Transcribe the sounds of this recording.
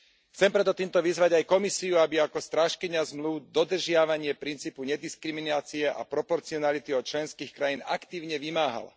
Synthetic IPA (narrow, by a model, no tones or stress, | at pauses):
xt͡sɛmpɾɛt̪ɔt̪iːmt̪ɔʋizʋaɟajkɔmisiuabiakɔst̪ɾaːʃkiɲazmluʊd̪ɔd̪r̩ʒɪaʋaɲɪɛpɾint͡siːpuɲɛd̪iskɾiminaːt͡siɛʔa̰pɾɔpɔɾt͡siɔnalit̪iɔt̪̚t͡ʃlɛnskiːxkɾajiːna̰kt̪iːʊɲɛʋimaːɦa̰la̰